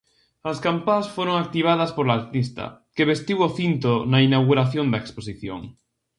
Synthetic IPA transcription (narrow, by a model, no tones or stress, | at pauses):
ɐskampasfoɾoŋak̚t̪iβ̞að̞ɐspoɾlaːɾt̪ist̪ɐ̰keβest̪iwoθint̪onɐinawɣuɾaθjond̪ɐeksposiθjo̰ŋ